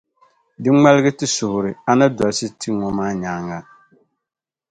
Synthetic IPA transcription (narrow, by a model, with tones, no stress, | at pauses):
dɨ˦ŋ͡ma˦lɨ˦ɡɨ˦tɨ˦sʊ˨hʊ˨ɾɨ˨a˨na˦da˨lsɨ˦tʰi˦ŋɔ˦maː˦ɲaː˨˦ŋa˦